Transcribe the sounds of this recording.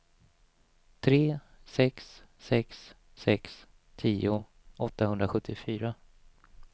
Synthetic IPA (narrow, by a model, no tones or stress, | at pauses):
t̪ʰɾeː | sɛksː | ɛksː | ɛks | t̪ʰiːʊ | ʔɔt̪ːahɵnd̪ɾaɧɵt̪ʰːɪfyːɾa